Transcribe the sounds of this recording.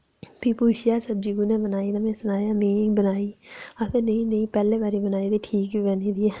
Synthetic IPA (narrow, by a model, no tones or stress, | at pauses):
pʰipuːʃɪjaːsəb̚d͡ʒiɡuːnɛ̃ːbənaːiːnəmɛ̃ːsʊnaːjaːmẽːbənaːiːapʰeɾnəĩːnəĩːpɛːleːbaːɾibənaːiːd̪iːʈʰiːkibɛːniːd̪iɛː